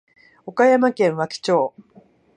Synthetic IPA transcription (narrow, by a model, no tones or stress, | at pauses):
o̞kajamakẽ̞ɰ̃βakʲi̥t͡ɕo̞ː